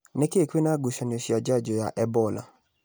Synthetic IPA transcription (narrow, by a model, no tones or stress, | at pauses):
nɛkekwenaɡuʃanosjad͡ʒad͡ʒɔjaʔɛbɔla̰